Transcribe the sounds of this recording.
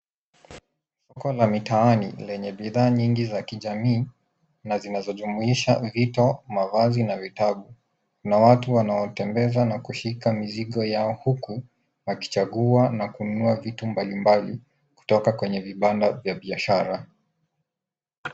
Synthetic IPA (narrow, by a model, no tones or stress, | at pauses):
sɔkɔlamitaanḭlɛɲɛɓiðaːɲiŋɡizakiʄamiː | nazinazɔʄumuiʃavitɔmavazinavitaɓu | kunawatuwanaɔtɛmbɛzanakuʃikamiziɠɔjaɔhuku | waki̥t͡ʃaɠuanakuunuavitumbalimbali | ku̥tɔkakwɛɲɛviɓandavjaɓiaʃaɾa